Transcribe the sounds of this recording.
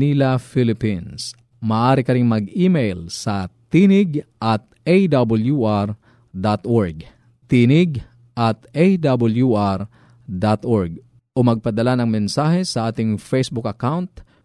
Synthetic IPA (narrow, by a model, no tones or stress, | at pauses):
nilɐfilɪpins | mɐːʔaːɾɪkɐɾɪŋmɐɡiːmejlsɐt̪iːnɪɡʔɐt̪̚ʔejd̪abɐljuʔɾ | d̪at̪ʔoɹɡ | t̪inɪɡ | ʔɐt̪ʔejd̪abɐljuʔaɾ | d̪at̪ʔoɹɡ̚ | ʔomɐɡ̚pɐd̪ɐlanɐŋmɛnsaːhɛsɐʔaːt̪ɪŋfejsbʊkɐkawnt̪